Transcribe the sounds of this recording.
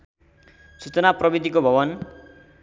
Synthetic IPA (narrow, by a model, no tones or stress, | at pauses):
sut͡sʌnaprʌbid̪ʱikobʱʌβʌn